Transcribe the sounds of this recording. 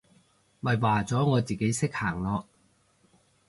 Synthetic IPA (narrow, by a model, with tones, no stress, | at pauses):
mɐ˨˩jwaː˨t͡sɔː˨˥ŋɔː˨˧t͡siː˨˩ke˨˥jsɪ˥k̚haː˨˩ŋlɔː˨˧k